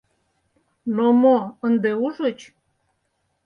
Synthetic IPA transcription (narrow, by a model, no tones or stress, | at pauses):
nomoənd̪euʒət͡ɕ